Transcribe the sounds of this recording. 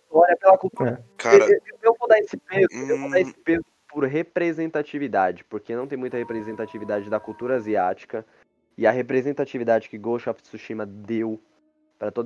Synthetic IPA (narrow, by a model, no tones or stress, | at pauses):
ɔɾɐpelɐkuwt̪uɾɐkaeɐeewewvod̪aesɪpezʊewvod̪aesɪ̥pezʊpoɾɦepɾezẽnt̪at͡ʃivid̪ad͡ʒɪpoɾkenɐ̃w̃t̪ẽj̃mũj̃t̪ɐhepɾezẽnt̪at͡ʃivid̪ad͡ʒɪd̪ɐkuwt̪uɾɐaziat͡ʃi̥kɐ | ɪɐɦepɾezẽnt̪at͡ʃivid̪ad͡ʒɪkɪɡoʃɔfsuʃĩmɐd̪ew | pɾɐt̪od̪